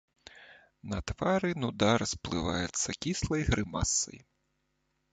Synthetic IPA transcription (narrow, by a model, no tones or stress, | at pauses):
nɐt̪ʋaɾɨnud̪arsplˠɨ̰ʋa̰jɛt̪sːɐkʲislˠɐjɣɾɪmasːɐ̰j